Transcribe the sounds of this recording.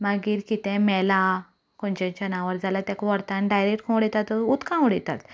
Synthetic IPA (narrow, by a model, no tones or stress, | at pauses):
maɡiːɾkit̪ɛ̃mɛla | kɔ̃nt͡ɕãt͡ɕanaʋəɾd͡zalat̪jakʋəɾt̪ãnɖajɾek̚ʈkʰɔ̃wɽɛt̪at̪ɔut̪kãɽɛt̪a̰t̪